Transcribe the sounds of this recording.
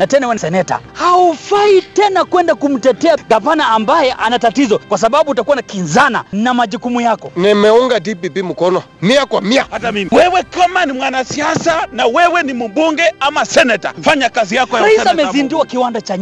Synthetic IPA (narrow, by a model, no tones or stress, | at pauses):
natɛnawɛnsɛnɛta̰haufaitɛnakwɛndakum̩tɛtɛaɡapanaːmbajɛʔanatatizɔkwas̬aɓaɓutakuwanakinzana̰namaʄukumujakɔnɛmɛɔŋɡadipipim̩kɔnɔ | miakwamiatmwɛwɛkamanimwanasiasanawɛwɛnimuɓuŋɡɛamasɛnɛta̰faɲakazijakɔjaɾaissamɛzinduakiwandat͡ʃaɲ